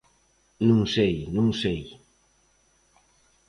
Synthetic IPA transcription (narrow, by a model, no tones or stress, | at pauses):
nuŋsejnuŋsej